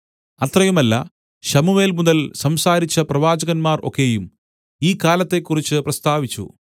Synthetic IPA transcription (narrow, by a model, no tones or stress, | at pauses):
ɐt̪rɐjumɐlːɐ̰ | ɕɐmuʋe̞ːlmuðɐlsɐmsaːɾit͡ɕːɐprɐʋaːd͡ʑɐɣɐnmaːro̞̰kːe̞jum | iːkːaːlɐt̪ːe̞kːurit͡ɕːɨprɐst̪aːʋit͡ɕːṵ